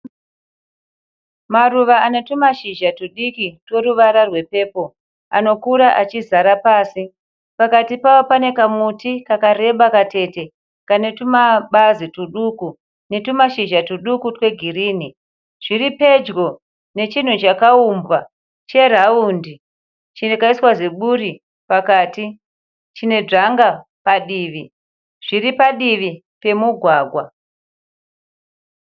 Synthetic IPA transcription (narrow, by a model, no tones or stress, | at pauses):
maruʋaanetumaʃiʒatuɗikitwe̞ɾuʋaɾarwe̞pe̞ːpo̞ | pa̰no̞kuɾaʔat͡ʃizaɾapaːsi | pakatipaopane̞kamutikakare̞ɓakate̞te̞ | kanetumaɓazituɗuku | ne̞tumaʃiʒatuɗukutwe̞ɡʱiriːni | ʐ̥iripe̞d͡ʒɡo̞ | ne̞t͡ʃin̤ut͡ʃakaumbwa | t͡ʃe̞r̤aundi | t͡ʃine̞kaiswazeɓuri | pakaːti | t͡ʃine̞d͡ʐaŋɡa | paɗiːʋi | ʐ̥iripaɗiʋi | pe̞muɡʱwaːɡʱwa